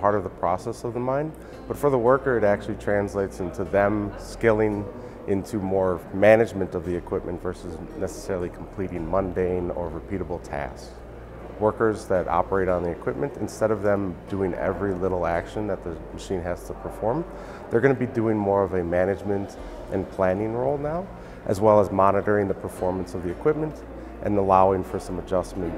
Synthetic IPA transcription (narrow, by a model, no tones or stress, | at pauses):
pʰɑɹɾʌvðəpʰɹ̥ɔsɛsʌvðəmãɪ̃n | b̥ʌtfə˞ðəwɜ˞kə˞ɨɾæk̚t͡ʃʉl̩ˠitʰɹ̥æ̃nsleɪtsɪ̃ntʰʉðɨ̃mskɪlˠɪ̃ŋ | ʔɪ̃ntʰʉmɔɹmænɨd͡ʒmɨ̃ntʌvðiɨkʰw̥ɪp̚mʔɨ̃ntv̥ɜ˞sɨznɛsə̥sɛɹl̩ˠikʰm̩pʰl̥iɾɪ̃ŋmʌ̃ndẽɪ̃nə̰˞ɹɨpʰiɾəbl̩ˠtʰæ̰sk | wɜ˞kə˞zðɨɾʔɑ̰pə˞eɪɾn̩ðiɨkʰw̥ɪp̚mɨ̃ntɨ̃nstɛɾʌvðɨ̃mdʉɪ̃ŋɛ̰vɹilɪɾl̩ˠækʃɨ̃nðɨt̪̚ðɨmɨʃĩnɦæz̥tʰəpʰə˞fɔɹm | ðə˞ɡʌnɨbidʉɪ̃ŋmɔɹʌvɨmænɨd͡ʒmɨ̃nt | ʔɨ̃npʰl̥æ̃nɪ̃ŋɹoʊlˠnaʊ | ʔɨzwɛlˠəzmɑnɨɾə˞ɪ̃ŋðɨpʰə˞fɔɹmə̃nsʌvðiɨkʰw̥ɪp̚mɨ̃nt | ʔɨ̰̃nəlaʊɪ̃ŋfə˞sʌ̃məd͡ʒʌsmɨ̃nt